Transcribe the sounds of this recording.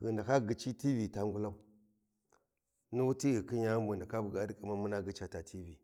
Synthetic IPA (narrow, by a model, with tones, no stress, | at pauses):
ɣə˨nda˨ka˦ɡi˨t͡ʃi˦ti˦vi˨ta˨ŋɡu˦la˦u˦ | nu˦wu˦ti˦ɣi˨ki˦ɲa˦mbu˨nda˨ka˦bu˨ɡa˨˦di˦ka˨ma˦mu˦na˦ɡə˨˦t͡ʃa˨ta˨tʰi˦vi˨